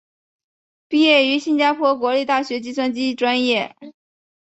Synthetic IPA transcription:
pi˥˧jɛ˥˩y˧˥ɕi˥˧nt͡ɕja˥pʰwɔ˥kwɔ˧˥li˥˧t̪a˥˩ɕɥɛ˧˥t͡ɕi˥swa˥nt͡ɕi˥ʈ͡ʂwa˥njɛ˥˩

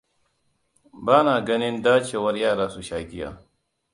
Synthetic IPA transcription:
baː˦naː˨ɡɐ˦nɪ˦ndaː˦t͡ʃeː˨wɐ˦rjaː˦˨ɾaː˦su˨ʃaː˨ɡʲɪ˦ja̰ː˨

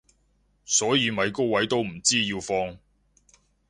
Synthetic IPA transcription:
sɔː˨˥jiː˨˧mɐ˨˧jko˥wwɐ˨˥jt̪o˥wm̩˨˩t͡siː˥jiː˧wfɔː˧ŋ

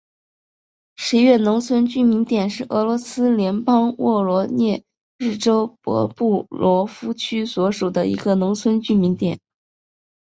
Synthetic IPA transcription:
ʂɻ̩˧˥ɥɛ˥˩nʊ˧˥ŋt͡sʰwə˥nt͡ɕy˥mi˧˥ŋt̪jɛ˨˩nʂɻ̩˥˩ʔɤ˧˥lwɔ˧˥sɹ̩˥ljɛ˧˥npɑ˥ŋwɔ˥˩lwɔ˧˥njɛ˥˧ | ɻɻ̩˥˩ʈ͡ʂo˥ʊpwɔ̰˧˥pu˥˩lwɔ˧˥fu˥t͡ɕʰy˥swɔ˧˥ʂu˨˩d̪ə˦ḭ˧˥ɡə˧nʊ˧˥ŋt͡sʰwə˥nt͡ɕy˥mi˧˥ŋt̪jɛ˨˩˦n

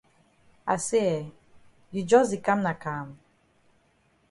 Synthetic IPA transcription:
a̰˨se˦ɛ˨ | ji˨d͡ʒɔ˦zi˨ka˦mna˨ka˨m

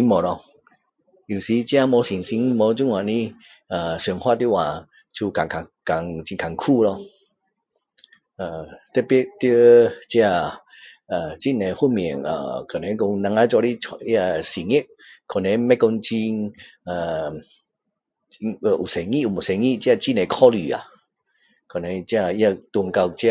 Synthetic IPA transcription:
i˧˦mɔ˨lɔ˧ | i˨˩˨si˨˧˦t͡ɕja˧mɔ˨˧˦si˨˩nsi˧ŋmɔ˧˦t͡ɕu˧˦ŋwã˨nĩ˦ | a˨˩sŋhwa˦˧˨t̪ju˦˨wã˨ | t͡ɕʰu˧ka˨ŋkʰa˨˩ka˨˩ŋt͡ɕi˧ŋkʰa˨ŋkʰu˥˧lɔ˧ | a˨t̪e˦pi˦t̪ə˧˦t͡ɕja˧˩ | a˨˩t͡ɕi˥˧˨ne˨˧hu˥˨mi˨˩ə˨ŋa̰˨kʰɔ˨nẽ˨˧˦kɔ˧ŋnã˧ŋa˧˦t͡ɕɔ˧ɾi˦ɔ˧i˦a˧si˨ŋi˦˨ʔ̚ | kʰɔ˨˩ne˨˦mɛ˦kɔ˧ŋt͡ɕi˧ŋa˨˩ | i˧ŋə˧˨ʔu˨˩se˨ŋĩ˦˧˨u˨˩mɔ˨sɛ˨˧ŋĩ˧˨t͡ɕi˧a˧t͡ɕi˧˨ne˧kʰɔ˧˦li˨a̰˨ | kʰɔ˨ne˨˧t͡ɕja˧i˦a˧˨t̪u˧əŋka˧wt͡ɕja˧

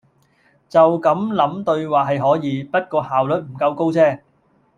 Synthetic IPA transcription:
t͡sɐ˨wkɐ˨˥mlɐ˨˥mt̪ɵ˧ɥwaː˨˩ɦɐ˨jɦɔː˨˥jiː˨˧pɐ˥t̚kɔː˧haː˨wlɵ˨˥t̚m̩˨˩kɐ˧wko˥wt͡sʰɛː˥

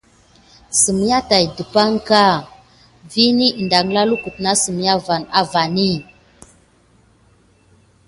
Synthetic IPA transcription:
su˨mi˨˦ja˦ta˨jdə˨pa˦ŋka˦˨ | vi˦ni˦˨nda˨ŋla˦lu˦ku˨t̚na˦su˨mi˨ja˦va˨na˨va˨ni˦

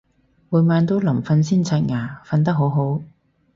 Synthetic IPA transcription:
wuː˨jmaː˨˧nt̪o˥wlɐ˨˩mfɐ˧˥nsiː˥nt͡sʰa˧˥t̚ŋaː˨˩fɐ˧nt̪̬ɐ˥k̚ɦo˨˥wɦo˨˥w

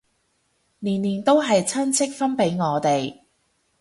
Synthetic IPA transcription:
niː˨˩nliː˨˩nt̪o˥wɦɐ˨jt͡sʰɐ˥nt͡sʰɪ˥k̚fɐ˥npe˨˥jŋɔː˨˧t̪e˨j

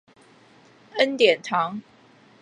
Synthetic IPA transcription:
ə˦nt̪jɛ˨˩nt̪ʰɑ˨˦ŋ

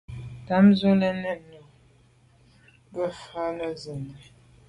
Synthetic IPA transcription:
ta˨˦m˦zu˦lə˦nə˦˨no˨ | bə˦fa˦nə˦zə˨nə˨

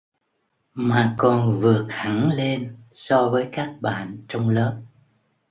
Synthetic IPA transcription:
maː˨˩kɔ˨˩nvɨ˨˩ək̚ha˨˧˩ŋle˧nsɔ˧vəː˨˦jkaː˦˥k̚ɓa̰ː˧˨nt͡ɕɔ˧wŋ͡mləː˦˥p̚

